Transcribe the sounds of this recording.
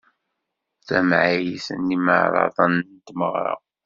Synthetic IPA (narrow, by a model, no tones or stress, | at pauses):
θæmʕijisə̰nːiməʕɾˤɑ̰ðˤɑnənt̪məʁɾˤɑ̰